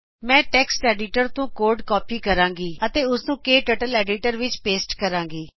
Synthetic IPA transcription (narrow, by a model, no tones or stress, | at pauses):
mɛ̃ːʈɛːksʈɛːɖiːʈəɾt̪õːkoːɾɖkɔːpiːkəɾãːŋɡiːət̪eːʊsnũːkeːʈəʈəlɛːɖiːʈəɾʋɪt͡ʃpeːsʈkəɾãːŋɡiː